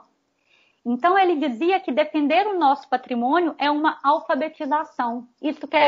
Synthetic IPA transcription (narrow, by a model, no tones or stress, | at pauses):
ẽnt̪ɐ̃w̃elɪd͡ʒiziɐkɪd̪efẽnd̪eɾʊnɔsʊ̥pat̪ɾimõnjʊʔɛũmɐawfabet͡ʃizasɐ̃w̃ist̪ʊkɛ